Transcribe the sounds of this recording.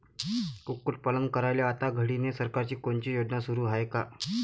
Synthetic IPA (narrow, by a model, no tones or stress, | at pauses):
kukːuʈ̚pələŋɡ̚kəɾajljaːt̪aɡʱəɽinesəɾkaɾt͡ɕiːkoɳt͡ɕiːjod̪nasuɾuːɦajeka